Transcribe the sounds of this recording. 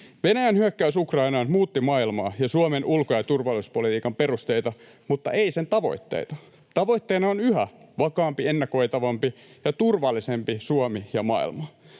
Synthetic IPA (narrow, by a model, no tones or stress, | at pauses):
ʋe̞næjænhyøkːæysukrɑinɑnmuːt̪ːimɑilmɑːjɑsuomenʔulkojɑt̪urʋɑluspolit̪iːkɑmpe̞rust̪eit̪ɑ | mut̪ːɑ̰ʔe̞ise̞nt̪ɑʋo̞̰it̪ːḛt̪ɑ | t̪ɑʋo̞jt̪ːeːnɑonyhæʋɑkɑːmpienːɑko̞it̪ɑʋɑmpi | jɑt̪urʋɑlːisempisuomijɑmɑ̰ḭlmɑ